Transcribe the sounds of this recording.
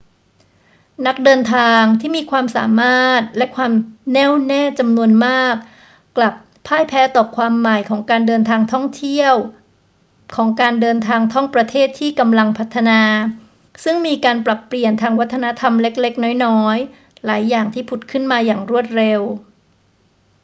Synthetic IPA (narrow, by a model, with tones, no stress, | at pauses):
na˦˥k̚dɤː˧nt̪ʰaː˧ŋt̪ʰiː˥˩miː˧kʰwaː˧msa̰ː˩˦maː˥˩t̪̚lɛ˦˥kʰwaː˧mnɛː˥˩wnɛː˥˩t͡ɕa˧mnu˧ənmaː˥˩k̚ː | la˨˩p̚ʰːaː˥˩jpʰɛː˦˥t̪ɔː˨˩kʰwaː˧mːa˨˩jkʰɔː˩˦ŋkaː˧ndɤː˧nt̪ʰaː˧ŋt̪ʰɔ˥˩ŋt̪ʰi˥˩əw | kʰɔː˩˦ŋkaː˧ndɤː˧nt̪ʰaː˧ŋt̪ʰɔ˥˩ŋpɾa˧t̪ʰeː˥˩t̪ʰːiː˥˩ka˧mla˧ŋpʰa˦˥t̪ʰːa˧naː˧ | sɯ˥˩ŋmiː˧kaː˧npɾa˨˩pːli˨˩ənt̪ʰaː˧ŋwa˦˥t̪ʰːa˧na˦˥t̪ʰa˧mle˦˥k̚le˦˥k̚nɔː˦˥jnɔː˦˥j | laː˩˦jːaː˨˩ŋt̪ʰiː˥˩pʰu˨˩t̪̚kʰɯ˥˩nmaː˧jaː˨˩ŋɾu˥˩ət̪̚ɾe˧w